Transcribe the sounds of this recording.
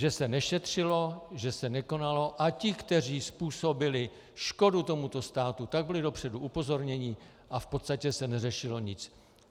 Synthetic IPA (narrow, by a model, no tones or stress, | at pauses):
ʒɛsɛnɛʃɛt̪r̝̥ɪlo̞ʒɛsɛnɛko̞nalo̞ʔacɪkt̪ɛr̝iːspuːso̞bɪlɪ | ʃko̞dut̪o̞mut̪o̞st̪aːt̪ut̪aɡ̚bɪlɪdo̞pr̝̥ɛduʔupo̞zo̞ɾɲɛɲɪ | ʔafpot̪st̪acɛsɛnɛrɛʃɪlo̞ɲɪt͡s